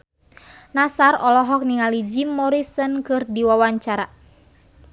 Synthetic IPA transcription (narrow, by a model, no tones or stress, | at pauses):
nasarɔlɔɦɔk̚niŋalid͡ʒimːɔɾisənkɨrdiwawaɲt͡ʃaɾa